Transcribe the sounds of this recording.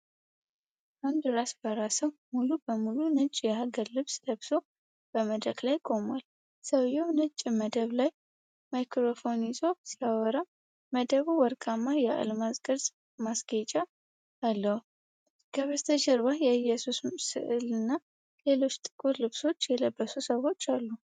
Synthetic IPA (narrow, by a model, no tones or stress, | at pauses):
ʔand̪ɾasbəɾasəwmulubəmulunɨt͡ʃʼjɛaɡəɾlɨβsləβso | b̥əməd̪ɾəklajkʼo̞mwal | səwjɛwnɨt͡ʃʼːməd̪əβlaj | majkɾo̞fo̞nizʼosiawɔɾa | məd̪əβuwɔɾkʼamːajɛa̰lmazkʼəɾzʼ | masɡet͡ʃʼaː | lːəhu | ɡ̥əβəst̪ʰəʃɛɾβajɛɨjɛsussɨ̰ʔɨlɨnːa | le̞lo̞t͡ʃːt̪ʼɨ̥kʼuɾlɨβso̞t͡ʃːjɛləbːəsusəwo̞t͡ʃːalːu